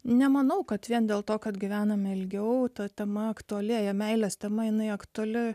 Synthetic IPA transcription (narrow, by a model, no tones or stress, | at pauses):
nʲɛmɐnɐʊkɐt̪ʋʲiɛnd̪ʲeːlˠt̪oːkɐt̪ɡʲɪʋʲæːnɐmʲɪlʲɡʲɛʊt̪ɐt̪ʲɛmɐɐkt̪ʊɐlʲɪːjɛmʲɛɪlʲɛst̪ʲɛmɐjɪnɐɪɐkt̪ʊɐlʲɪ